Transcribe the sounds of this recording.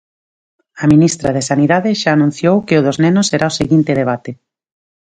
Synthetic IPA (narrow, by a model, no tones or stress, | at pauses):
aminist̪ɾaðesaniðaðɪʃaːnũn̟θjowkeoðoznenʊsːeɾʔaoseɣint̪eðeβ̞at̪e